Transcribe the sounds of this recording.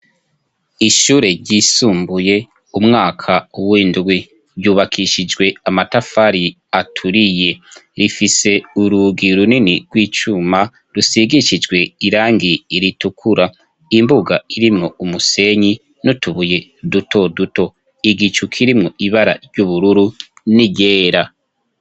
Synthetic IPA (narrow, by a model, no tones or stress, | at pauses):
iʃuːɾe̞ɾɟiːsuːmbuje̞ | umŋaːkʰauwiːndɡwi | ɾjuːβakʰiʃid͡ʒɡwe̞amatafaɾi | atʰuɾije̞ɾifise̞uɾuɡiɾuniniɡ̥wiːt͡ʃuma | ɾusiɡiʃid͡ʒɡwe̞iɾaːŋɡiːɾitukʰuɾa | imbuɡaiɾimŋoumuse̞ɲi | nutuβuje̞duto̞duto̞ | iɡit͡ʃukʰiɾimŋoʔiβaɾa̰ɾjuβuɾuɾu | niɟe̞ːɾa